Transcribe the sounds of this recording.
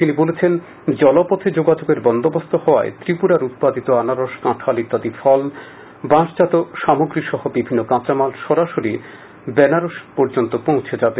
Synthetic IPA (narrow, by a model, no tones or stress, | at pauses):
t̪inibolet͡ɕʰen | d͡ʑɔlopɔt̪ʰed͡ʑoɡad͡ʑoɡeɾbɔnd̪obost̪ʰohɔoa̰et̪ɾipuɾaɾut̪̚pad̪it̪oanaɾoʃkãʈʰalit̪ːad̪ifɔl | bãʃd͡ʑat̪oʃamoɡɾiʃɔɦobibʱinːokãt͡ɕamalʃɔɾaʃoɾi | bɛnaɾoʃpɔɾd͡ʑont̪opõw̃t͡ɕʰed͡ʑabe